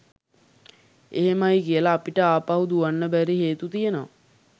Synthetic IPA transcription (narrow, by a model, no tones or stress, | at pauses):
eɦemajkijəlaːpiʈəaːpaɦud̪uʋanːəbæɾiɦeːt̪ut̪ijenoʋa